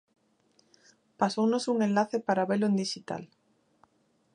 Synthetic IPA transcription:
pasownosuŋenlaθepaɾaβelʊend̪iʃit̪a̰l

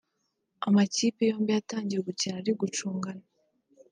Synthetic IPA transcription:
amaciːpejo̞ːmbijataːɲɟijeɡucinaɾiɡut͡ʃuːŋɡana

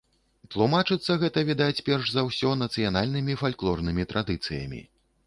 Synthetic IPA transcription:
t̪lˠumat͡ʂɨt̪sːɐɣɛt̪ɐvʲid̪at͡sʲpʲɛrʂzɐwsʲɔnɐt̪sɨjanalʲnɨmʲifalʲklˠɔrnɨmʲit̪ɾʔad̪ɨt̪sɨjɐ̰mʲḭ

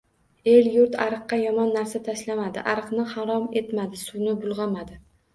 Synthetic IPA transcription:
e̞ljʊɾt̪ʰaɾɨqːɑjɒmɒnːaɾsat̪ʰaʃlamad̪ɪ̰ʔaɾɨqnɪhaɾɒme̞t̪mad̪ɪsʊnɪbʊlˠʁɑmad̪ɪ

